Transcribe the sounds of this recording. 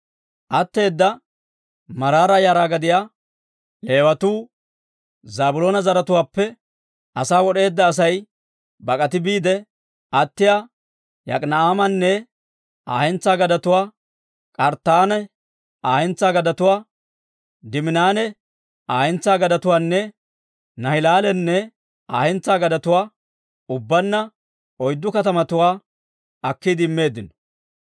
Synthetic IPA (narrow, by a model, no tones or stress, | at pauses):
ʔɐt̪ːe̞ːd̪ːɐ | mɐɾaːɾajaːɾaːɡɐd̪ɪjaː | le̞ːwɐt̪uː | zaːbʊlo̞ːnɐzɐɾɐt̪ʊwaːpːɛ | ɐsaːwɔɗe̞ːd̪ːɐːs̬ɐj | bɐkʼɐt̪ɪbiːd̪ɛ | ʔɐt̪ːɪjaː | jɐ̰kʼnɐaːmɐnːɛ | aːhɛnt͡sːaːɡɐd̪ɐt̪ʊwaː | kʼɐɾt̪ːaːnɛ | aːhɛnt͡sːaːɡɐd̪ɐt̪ʊwaː | d̪ɪmɪnaːnɛ | aːhɛnt͡sːaːɡɐd̪ɐt̪ʊwaːnːɛ | nɐhɪlaːlɛnːɛ | aːhɛnt͡sːaːɡɐd̪ɐt̪ʊwaː | ʊbːɐnːɐ | ɔjd̪ːʊkɐt̪ɐmɐt̪ʊwaː | ɐkːid̪ɪɪmːe̞ːd̪ːɪnɔ̥